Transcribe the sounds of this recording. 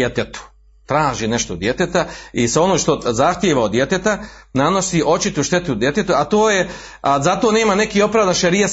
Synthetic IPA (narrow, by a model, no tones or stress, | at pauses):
et̪et̪u̥ | t̪ɾaːʒine̞ʃt̪od̪je̞t̪et̪aiseo̞nomʃt̪o̞zaxt̪jeːʋaod̪je̞t̪et̪anano̞siʔo̞t͡ʃit̪uʃt̪e̞t̪ud̪je̞t̪et̪uat̪oːje | zat̪o̞ːne̞ːmane̞kiːo̞pɾaːvd̪anʃeɾija